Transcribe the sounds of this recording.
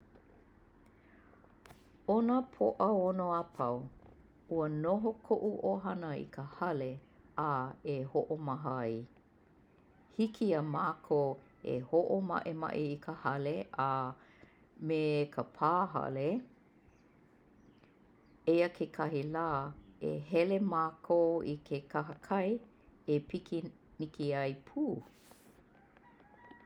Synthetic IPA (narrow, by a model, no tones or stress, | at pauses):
onəpʰoʔəonoapʰɐw | uənoɦokʰoʔuʔoɦɐnəḭkʰəhɐle | aehoʔomɐɦəɐj | hikʰiəmaːkʰo | ḛhoʔomɐ̰ʔemɐ̰ʔiikʰəhɐleʔa | mekʰəpʰaːɦɐ̰le | ejəkʰekʰɐɦilaːḛɦɛlemaːkʰoikʰekʰɐɦəkʰɐj | epikʰi | nikiɐjpʰuː